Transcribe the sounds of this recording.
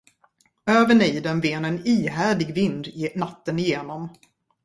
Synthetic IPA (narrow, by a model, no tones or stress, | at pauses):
øːvəɳiːd̪ɛnveːnɛniːɦæːɖɪɡvɪnd̪nat̪ːənɪjeːnɔm